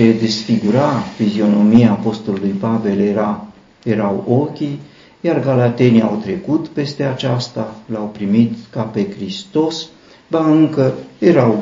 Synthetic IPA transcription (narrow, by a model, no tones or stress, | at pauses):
e̞d̪e̞sfiɡuɾafizio̞no̞miapo̞st̪ulːujpave̞leɾa | je̞ɾawo̞kʲi | jarɡalat̪e̞nia̰wt̪ɾe̞kut̪pe̞st̪e̞at͡ʃast̪alawpɾimit̪kape̞kɾist̪o̞s | baɨŋkəje̞ɾaw